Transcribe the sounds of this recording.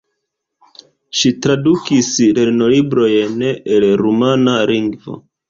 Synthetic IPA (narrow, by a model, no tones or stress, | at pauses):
ʃitɾadukisle̞ɾnolibɾo̞jneelɾumanaliŋɡvo̞̰